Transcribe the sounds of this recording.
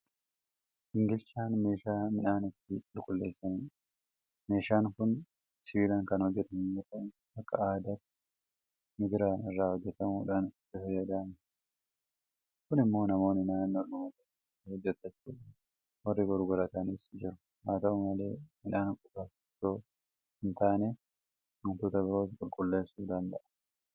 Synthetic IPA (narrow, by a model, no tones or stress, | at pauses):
hɪŋɡɪlt͡ʃaːnme̞ːʃaːmɪnaːnɪt̪ːɪɪlkʼʊlːe̞ːsːɐniː | me̞ːʃaːŋkʊn | sɪlɐŋkɐnhɔd͡ʒːɛt̪ɐnɛt̪ɐn | ɐkːɐaːd̪ɐt̪ːɪ | mɪɡɪɾaːnɪrːaːhɔd͡ʒːɛt̪ɐmuːᶑaːnɪt̪ːɪfɐjːɐd̪aːnɪ | kʊnɪmːo̞ːnɐmo̞ːnːɪnaːnːɔlʊmɐt̪ɐ | hɔd͡ʒːɛt̪ːɐt͡ʃːuːᶑaːn | wɔrːɪɡɔɾɡʊɾɐt̪ɐniːsd͡ʒɪɾʊ | maːt̪ɐʊmɐle̞ːhɪnaːnkʼʊbɐfɪt̪ːoː | hɪnt̪aːneː | ʊnt̪uːt̪ɐbɪɾo̞ːskʼʊlkʼʊlːe̞ːsːuːd̪ɐnd̪ɐʔɐ̥